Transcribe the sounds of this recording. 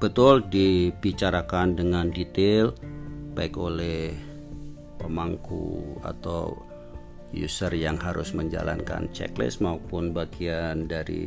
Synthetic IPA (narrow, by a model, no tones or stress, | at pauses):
b̥ət̪ʊldibit͡ʃaɾakandəŋandit̪elbaɪkolɛh | pəmaŋkṵa̰t̪a̰w | jṵsərjaŋhaɾʊsməɲd͡ʒa̰lʔa̰nka̰nt͡ʃɛ̰klɪ̰smaupʊnbaɡiandaɾḭ